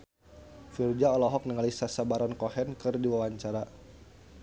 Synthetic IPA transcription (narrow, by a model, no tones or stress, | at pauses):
fird͡ʒaɔlɔɦɔk̚nəŋalisasabaɾankɔhɛnkɨrdiwawaɲt͡ʃaɾa